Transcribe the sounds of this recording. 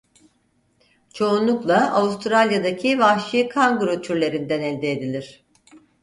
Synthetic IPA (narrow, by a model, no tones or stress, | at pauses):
t͡ʃʰo̞unlˠuklˠaavust̪ʰɾalʲjad̪acʰivahʃikʰaŋɡuɾot̪ʰyɾlʲe̞ɾind̪ænɛlʲd̪eːd̪ilʲiɾ̝̥